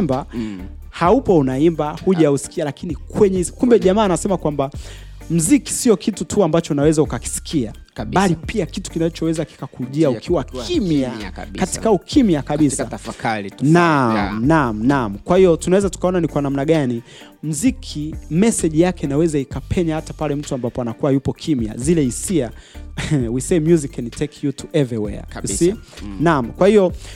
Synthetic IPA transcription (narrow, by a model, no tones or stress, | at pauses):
ɛmba | haupɔunaimbahuʄausi̥kialakinikwɛɲɛkumbɛʄamaːnasɛmakwamba | m̩ziki̥siɔkitutʰuambat͡ʃɔunawɛzaukaki̥si̥kʰia | ɓalipiakitu̥kinat͡ʃɔwɛzaki̥kakuʄiaukʰiwakimiakatikaukʰimiakaɓisa | nam̩nam̩nam̩kwahijɔtunawɛzatu̥kaɔnanikwanam̩naɠani | m̩zikʰimɛsɛʄijakɛinawɛzaikapʰɛɲahatapalɛm̩tuambapɔanakuwajupɔkʰimja̰zilɛisia | wisemjuzikːɛnitʰɛkʰjutʰuʔɛvɾiwɛ̰a̰usinam̩kwahiɔ